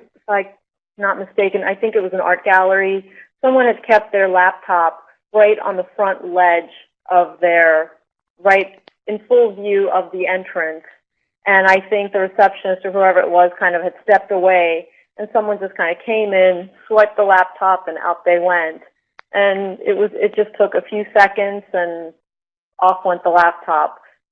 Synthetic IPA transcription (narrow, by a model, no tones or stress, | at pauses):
flaɪk̚ | nət̚mɨsteɪkɨ̃na̰ɪθɪ̃ŋkɨt̚wʌzɨ̃nɑ̰ɹt̚ɡ̥ælˠə˞isʌ̃mwʌ̃nɨd̚kʰɛp̚t̪̚ðə˞læp̚tʰɑp̚ | ɹaɪɾn̩ðəfɹʌ̃nʔlɛd͡ʒ | ʔʌvðə˞ | ɹaɪɾ | ɨ̃nfʊlˠvjʉʌvðiɛ̃nt͡ʃɹ̥ɨ̃ns | ʔɨ̃naɪθɪ̃ŋk̚ðɨɹɨsɛpʃɨ̃nɨz̥tə˞huɛvə˞ɨ̰ʔ̚wʌz̥kʰãɪ̃ndʌv̥ɨd̥stɛp̚təweɪ | ʔɨ̃nsʌ̃mwʌ̃nd͡ʒʌskʰãɪ̃ndɨkʰẽɪ̃mɪ̃nswɛt̪̚ðəlæp̚tʰɑpɨ̃na̰ʊt̪̚ðeɪwɛ̃nt | ʔɨ̃nɪ̰t̚wʌzɪ̰t̚d̥ʒ̥ʌstʰʊkɨfjʉsɛkɨ̃ndz̥ɨ̃n | ʔɔfwɛ̃nðəlæp̚tʰɑp̚